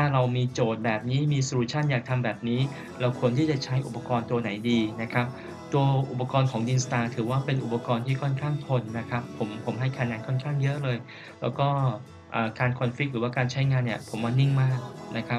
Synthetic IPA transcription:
t̪ʰaː˥˩ɾa˧wmiː˧t͡ɕoː˨˩t̪̚bɛː˨˩p̚niː˦˥miː˧sɾu˧˥t͡ɕʰa˥˩njaː˨˩k̚t̪ʰa˧mbɛː˨˩p̚niː˦˥ | la˧˥wkʰu˧ənt̪ʰiː˥˩t͡ɕa˨˩t͡ɕʰa˦˥jʔṵ˨˩pːa˧kɔː˧nt̪u˧ɐna˩˦jdiː˧na˦˥kʰɾa˦˥p̚ | t̪u˧ɐʔu˨˩pːa˧kɔː˧nkʰɔː˩˦ŋdi˧nst̪aː˧t̪ʰɯː˩˦waː˥˩pe˧nʔu˨˩pa˧kɔː˧nt̪ʰiː˥˩kʰɔː˥˩nkʰaː˥˩ŋt̪ʰo˧nːa˦˥kʰa˦˥pʰːo˩˦mpʰo˩˦mɦa˥˩jkʰa˧nɛː˧˥nkʰɔ˥˩nkʰaː˥˩ŋjɤ˦˥ʔlɤː˧j | lɛː˦˥wkɔː˥˩ | ʔaː˨˩kaː˧nkʰɔ˧nfi˦˥k̚ɾɯː˩˦waː˥˩kaː˧nt͡ɕʰa˦˥jŋaː˧nːi˥˩ɐpʰo˩˦mːaː˧ni˥˩ŋmaː˥˩k̚nʔa˦˥kʰa˦˥p̚

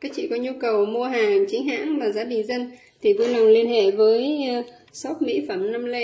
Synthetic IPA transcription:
kaː˨˦˥k̚t͡ɕḭ˧˨kɔ˨˦ɲu˧kə˨˩wmu˧əɦaː˨˩ŋt͡ɕï˨˦ŋ̟ɦa̰ː˧˥nvaː˨˩zaː˨˦ɗï˨˩ŋ̟zə˧n | t̪ʰi˨˩vu˧na˨˩wŋ͡mli˧ənhḛ˧˨vəː˨˦j | sɔ˦˥p̚mḭ˧˥fə˧˩mnə˧mle˧

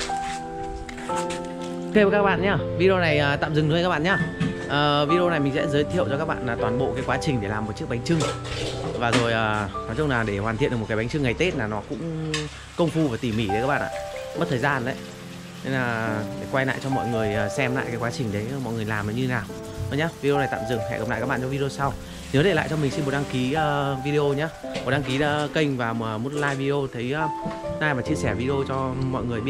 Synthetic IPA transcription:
ke˧a˨˩kaː˦˥k̚ɓa̰ː˧˨nɲaː˧˩vi˧ɗo˧na˨˩jʔəː˨˩t̪a̰ː˧˨mzɨ˨˩ŋhə˧ka˦˥ɓa̰ː˧˨ɲaː˧˩ʔəː˨˩vi˧ɗo˧na˨˩jmï˨˩ŋsɛ̰˧˥zəː˨˦jt̪ʰḭ˧ə˨wt͡ɕɔ˧kaː˦˥k̚ɓa̰ː˧˨nlaː˨˩t̪waː˨˩nɓo̰˧˨kaː˨˦jkwaː˨˦t͡ɕï˨˩ŋ̟ɗe˧˩laː˨˩mː˨˩t̚t͡ɕɨ˦˥ək̚ɓŋ̟t͡ɕɨ˧ŋ | vaː˨˩zo˨˩jʔəː˨˩nɔ˨˦t͡ɕwnlaː˨˩ɗe˧˩ɦwaː˨˩t̪ḭ˧˨n˨˩˨kːɓŋ̟t͡ɕɨ˧ŋːa˨˩jt̪e˦˥t̚laː˨˩nɔ˨˦kʊ̰˧˥ŋ͡m | kə˧wŋ͡mfu˧vaː˨˩t̪i˨˩mi˧˩ɗkaː˦˥ɓa̰ː˧˨ʔa̰ː˧˨ɓə˦˥t̚t̪ʰəː˨˩jzaː˧nʔɗə̰˨˦j | e˧nlaː˨˩ɗe˧˩kwa˧jla̰ː˧˨t͡ɕɔ˧mɔ̰˧˨jŋɨ˨˩əjəː˨˩sɛ˧mla̰ː˧˨jkaː˨˦jkwaː˨˦t͡ɕï˨˩ŋ̟ɗə˨˦jmɔ̰˧˨jŋɨ˨˩əjlaː˨˩mə˨˦ɲɨ˧naː˨˩wʰ | ɔ˨˦ɲaː˦vi˧e˧o˧a˨˩jt̪a̰ː˧˨mzɨ˨˩əŋhɛ̰˧˨kə˨˩p̚la̰ː˧˨kːkɓa̰ː˧˨˧t͡ɕɔ˧vi˧e˧o˧sa˧w | t̪ʰi˨˩ŋ˨˦t̪e˧˩la̰ː˧˨jt͡ɕɔ˧mï˨˩ŋ̟si˧mo˨˩t̚ɗa˧ŋki˨˦əː˧vi˧ɗi˧o˧ɲaː˨˦ɓo˨˩t̚ɗa˧ŋki˨˦laː˨˦kə˧jŋ̟vaː˨˩əː˨˩mo˨˦˥t̚laː˧jvi˧o˧t̪ʰə˨˦jəː˧naː˧jvaː˨˩t͡ɕi˧əsɛː˧˩vi˧ɗo˧t͡ɕɔ˧mɔ̰˧˨jŋɨ˨˩əjɓi˧˨

